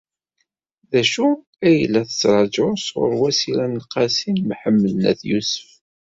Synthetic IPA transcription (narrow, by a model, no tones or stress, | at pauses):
ðæʃu | æjəlːæθə̥t͡sːɾˤɑd͡ʒʊsʊ̰ɾwæsiɾænəlqɑsinmħəmːələnæ̰θjusə̥f